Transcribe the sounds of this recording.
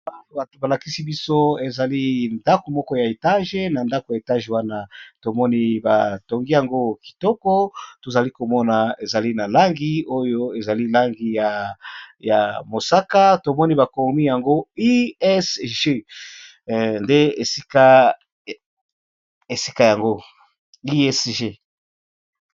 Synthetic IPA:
a˨ba˨to˨ba˨la˨ki˦si˦bi˦so˦e˨za˨li˦nda˦ko˨mɔ˦kɔ˦ja˨e˨ta˦ʒe˦na˨nda˦ko˨ja˨e˨ta˦ʒe˨wa˦na˦to˨mɔ˦ni˦ba˨to˨ŋɡi˦ja˨ŋɡo˦ki̥˨tɔ˦kɔ˦to˨za˨li˦ko˨mɔ˦na˨e˨za˨li˦na˨la˦ŋɡi˦o˦jo˦e˨za˨li˦la˦ŋɡi˦ja˨ja˨mo˨sa˦ka˦to˨mɔ˦ni˦ba˨ko˨mi˦ja˨ŋɡo˦i˦ɛ˦sʒe˦ | nde˦e˨si˦ka˦ | e˨si̥˦ka˦ja˨ŋɡo˦ | i˦ɛ˦sʒe˦˨

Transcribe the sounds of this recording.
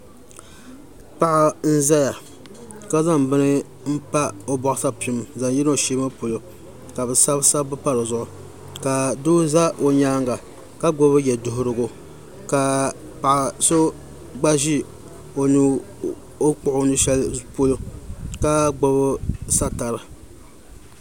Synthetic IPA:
pa˦ʔa˦n̩˦za˦ja˨ | ka˦za˦˨mbɨ˦nɨ˦ | m̩˦pa˦o˦bɔ˦ʔʊ˦sa˦pi˦mza˨ŋ˦ji˦n˦o˨ʃeː˦ma˦po˨lo˦ | ka˨bɨ˨sa˦bsa˦bɨ˦pa˦ɾɨ˨zʊ˦˨ʔʊ˨ | ka˨du˦za˦ʔo˨ɲaː˦ŋɡa˨ | ka˦ɡ͡bo˦bɨ˦jɛ˨dʊ˨ɦʊ˨ɾɨ˨ɡʊ˦ | ka˨ | pa˨ʔa˨so˦ | ɡ͡ba˦ʒi˦ | o˨nɨ˦ | o˦k͡pʊ˦ʔʊ˦nɨ˦ʃɛ˦lpo˦lo˦ka˦ɡ͡bo˦bɨ˦sa˦ta˨ɾɨ˨

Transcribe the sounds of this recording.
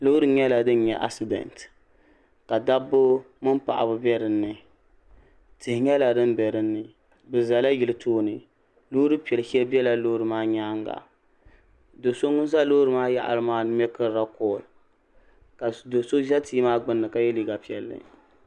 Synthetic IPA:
lo˦ɾɨ˨ɲɛ˦la˨dɨ˦nɲɛ˨ʔa̰˨sɨ˨dɛ̰˨nt | ka˨da˦bʊ˦ | mɨ˦mpa̰˨ʔa̰˨bɨ˦bɛ˦ɾɨ˨nːɨ˨ | tɨ˨hɪ˨ɲɛ˦la˨dɨ˦mbɛ˨ɾɨ˦nːɨ˨ | bɨ˨za˨la˦jɪ˨lɨ˨tʰoː˦nɨ˨ | lo˦ɾɨ˦pi˨ɛ˨lhɛ˦lbi˦ɛ˦la˦lo˦hɾɨ˨maː˦ɲa˦ŋɡa̰˨ | do˨so˦ŋʊ˦n˦za˦lo˦hɾɨ˨maː˦ja̰˦˨ʔa̰˨ɾɨ˦maː˦mɛ˦kɨ˦ɾɾa˦kɔː˨l | ka˨do˨so˦zɛ˦tiː˦maː˦ɡ͡bɨ˦nːɨ˨ka˨jɛ˦liː˨ɡa˨pi˨ɛ˨lːɨ̰˦

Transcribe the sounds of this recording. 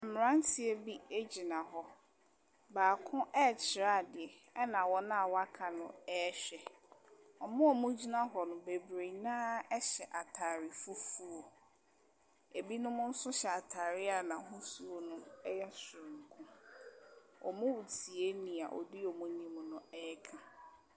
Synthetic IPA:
m˨ɾã˦n̩˦tʰɪ˨e˦bi˦e˦d͡ʑi˨nã˨ɦɔ˦ | baː˨kʰʊ̃˦ʔɛ˦˨t͡ɕʰɪ˨ɾa˦˨dɪ˨ɛ˨ | ɛ˦nã˨wɔ˦nã˦a˨wa˦kʰa˨nʊ̰̃˨ɛː˦ɕᶣɛ˨ | ɔ˨mʊ̃˦ɔ˨mʊ̃˦d͡ʑi˦nã˦ɦɔ˨nʊ̃˨be˨bɾe˨nãː˦ɛ˦ɕɛ˨ʔa˨tʰa˨ɾɪ˨fu˦fu˦o˨ | e˨bi˦nʊ̃˦mʊ̃˦n̩˦sʊ˦ɕɛ˨a˨tʰa˨ɾɪ˦a˨nã˨ɦʊ̃˦su˦o˨nʊ̃˦ɛ˦jɛ˦sʊ̃˨ŋ̩˨kʰʊ̃˦ | ɔ̰˨mʊ̃˦wu˨tʰi˨e˦nĩ˨a̰˨ʔɔ̰˨dɪ˦ɔ˨mʊ̃˦nĩ˦m̃˨˦nʊ̃˦ɛː˦kʰã˨

